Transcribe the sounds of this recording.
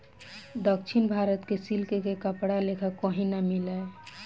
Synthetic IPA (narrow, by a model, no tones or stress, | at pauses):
d̪əkt͡ʃʰinbʱaːɾət̪kesilkekekəpɽalekʰəkːɔɦĩnamilə